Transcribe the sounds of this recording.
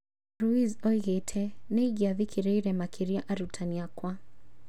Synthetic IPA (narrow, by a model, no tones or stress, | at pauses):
ɾuizɔiɣɛtʰɛnɛiɡiaðikʰiɾɛiɾɛmakʰiɾiaʔaɾutʰaniakwa